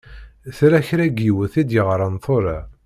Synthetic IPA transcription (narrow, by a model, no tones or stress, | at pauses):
θɾæçɾæɡiwəθid̪jəʁɾˤənθoɾˤa